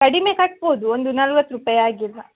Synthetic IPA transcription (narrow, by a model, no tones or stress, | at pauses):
kɐɽimeːkɐʈ̚boːd̪uond̪unɐlʋɐt̪ːɾupajaːɡilːɐ